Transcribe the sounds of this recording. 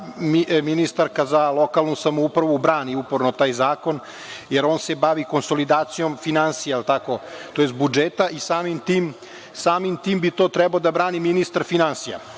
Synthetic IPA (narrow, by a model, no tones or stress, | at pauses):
miminist̪aɾkazalo̞kalˠnusamoupɾaʋubɾaːniupoɾno̞t̪aːjzaːko̞n | jeɾoːnse̞baʋiko̞nsolid̪aːt̪sijo̞mfinansijaelt̪ako̞t̪ojest̪̚bud͡ʒet̪aʔisaːmimt̪iːm | saːmimt̪iːmbit̪oːt̪ɾɛbaod̪abɾaːniminist̪aɾfinansija̰